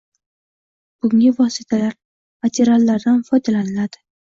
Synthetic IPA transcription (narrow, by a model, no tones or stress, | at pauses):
b̥ʊŋɪvɒsɪt̪ʰalaɾ | mat̪ʰeɾalːaɾd̪anfɒjd̪alanɪlad̪̥ɪ